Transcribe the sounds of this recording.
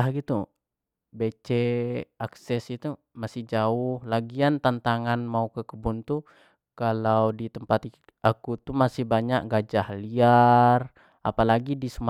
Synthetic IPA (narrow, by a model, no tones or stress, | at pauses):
ahɡit̪u | bet͡ʃɛaksɛsit̪u | masɪhd͡ʒaʊhlaɡiant̪ant̪aŋanmaukəkəbunt̪u | kalawdit̪əmpat̪ | akut̪umasɪhbaɲaʔɡad͡ʒahliar | a̰palaɡidisəma